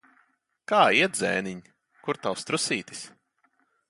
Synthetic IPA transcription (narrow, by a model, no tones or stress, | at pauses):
kaːiɛtd̪zɛ̰ːniɲ | kuɾt̪awst̪ɾusiːt̪i̥s